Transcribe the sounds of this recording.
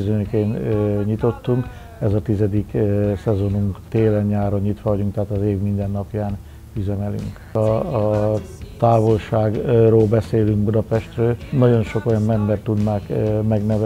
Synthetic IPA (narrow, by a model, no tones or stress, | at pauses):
zøɲøkeːnɲit̪o̞t̪ːuŋk | ɛzɒt̪izɛd̪iksɛzo̞nuŋkt̪eːlɛɲːaːɾoɲɲit̪ʋɒvɒɟuŋkt̪aɦaːt̪ɒzeːvmind̪ɛnːɒpjaːn | yzɛmɛly̰ŋkː | t̪aːvo̞lʃaːɡroːlbɛseːlyŋɡbud̪ɒpɛʃt̪røːlnɒɟo̞nʃo̞ko̞jɒmmɛmbɛrt̪ːud̪naːkmɛɡnɛvɛ